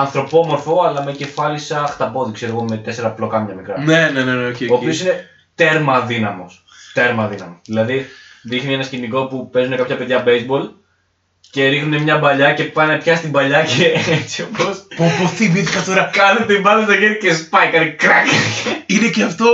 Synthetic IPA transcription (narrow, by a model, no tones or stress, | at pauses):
ɐnθɾo̞pomo̞ɾfo̞ɐlɐme̞ce̞fɐlisɐxt̪ɐpo̞ðikse̞ɾoɣo̞me̞t̪e̞se̞ɾɐplo̞kɐmɲɐmikɾɐneneneneoioːpio̞sine̞ | t̪e̞ɾmɐðinɐmo̞s | t̪e̞ɾmɐðinɐmosðilɐðiðixnienɐsciniko̞pupe̞zune̞kɐpçɐpe̞ðʝɐbejzbo̞l | ce̞ɾixnune̞mɲɐbɐʎɐce̞pɐne̞pçɐst̪ibɐʎɐceet͡siopʰospopoθimit̪xɐt̪o̞ɾɐkɐnet̪eibɐðist̪ɐkeɾce̞spɐikɐnikɾɐkineceɐft̪o̞